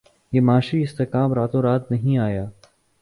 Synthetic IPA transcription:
jeːmaːʃiɪst̪ekaːmɾaːt̪õɾaːt̪nɐɦĩaːjaː

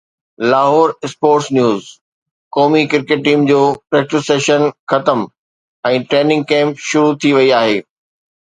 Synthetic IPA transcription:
laːɦɔːɾɪspoːʈsnjuːz | kɔːmikɪɾkeːʈ̚ʈiːmd͡ʑoːpɾeːk̚ʈɪseːʃənxɐt̪əm | ɛ̃ːʈɾeːnɪ̃ŋɡ̚kɛ̃ːmpʃʊɾut̪ʰiʋɐiaːɦeː

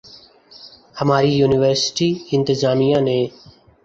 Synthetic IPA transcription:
həmaːɾiːjuːnɪʋəɾsʈiːɪnt̪ɪzaːmijãːnẽː

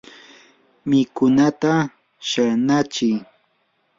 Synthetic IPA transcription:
mɪkʊnat̪a | ʃanat͡ʃɪ

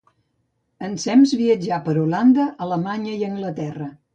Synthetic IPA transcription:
ənsɛmzβiəd͡ʒapəɾuland̪əʔələmaɲəiəŋɡlət̪ɛrə

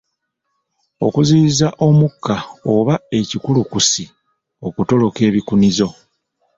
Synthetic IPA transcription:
o̞̰kuziːzaʔo̞mukːaoβae̞cikulukusi | o̞kuto̞lo̞ke̞ːβikunizo̞

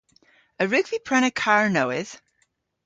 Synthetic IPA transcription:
ɨɹʉkv̥ipʰɹ̥ɛ̃ñɨkʰɑɹnoʊɪz̥

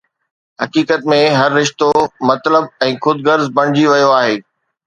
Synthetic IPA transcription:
ɦɐkiːkət̪mẽɦɐɾːɪʃt̪omɐt̪ləb̚ɛ̃ːxʊd̪̚ɡəɾzbɐɽ̃ɪd͡ʑiʋɐjoaːɦeː

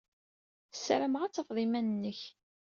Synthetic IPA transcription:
sɾəmʁat͡sːəfðˤimænənːəç

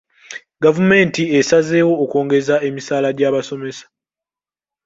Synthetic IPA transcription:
ɡavume̞ːntiesaze̞ːwo̞ːkoːŋɡe̞zae̞misaːlaɟaːβaso̞me̞sḁ

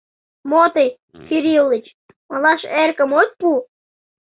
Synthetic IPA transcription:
mot̪əj | siɾʲilit͡ɕ | məlɑʃerkə̆mot̪̚ʲpu

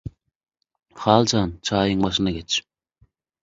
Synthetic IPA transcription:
χɑːlˠt͡ʃʰɑnt͡ʃʰɑːjɨŋbɑʃ̬ɨnd̪ɑkʲʰet͡ʃ

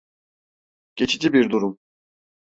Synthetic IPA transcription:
ɟ̥e̞t͡ʃʰid͡ʒibiɾd̪uɾum

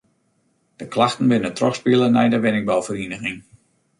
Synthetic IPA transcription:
d̥əklaxtn̩ʋɪnətrɔxspiəlˠənɛjdəʋɪnɪk̚bɔlˠfərinəxɪŋ

